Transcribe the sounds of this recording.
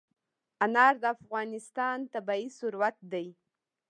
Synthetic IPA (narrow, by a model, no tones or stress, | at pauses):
anɑɾd̪əafɣɑnɪst̪ɑnt̪abɑisʊɾwat̪̚d̪aj